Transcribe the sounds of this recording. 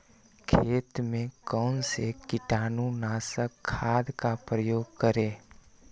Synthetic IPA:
kʰeːt̪mẽkəʊnsekɪʈaːnunaːsəkʰːaːd̪kapɾəjoːɡ̚kəɾeː

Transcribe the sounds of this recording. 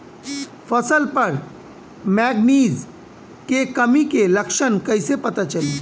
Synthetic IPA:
fʰɐsəlpəɾ | mɛːɡniːz | kekəmikelɐkʃənkɐɪsepɐt̪at͡ʃəle

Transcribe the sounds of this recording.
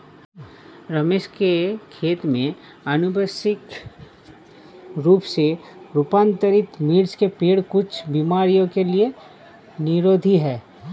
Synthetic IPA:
ɾɐmeːʃkekʰeːt̪mẽ | ɐnʊbəsɪk | ɾuːpseɾʊpãːnt̪əɾɪt̪miːɽskepeːɽkʊt͡ʃʰbiːmaːɾijõkelie | nɪɾoːd̪ʱiɦɛː

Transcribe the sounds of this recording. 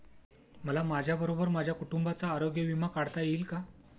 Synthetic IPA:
məlamad͡ʑʱjabəɾobəɾmad͡ʑʱjakuʈumbat͡saːɾoɡjəʋimakaɽt̪ajeilka

